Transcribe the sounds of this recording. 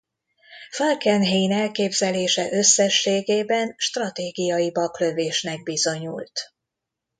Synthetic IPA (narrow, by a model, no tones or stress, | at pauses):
fɒlkɛnɦejnɛlkeːbzɛleːʃɛʔø̞sːɛʃːeːɡeːbɛnʃt̪rɒt̪eːɡijɒjibɒklø̞veːʃnɛɡ̚bizo̞ɲṵlt̪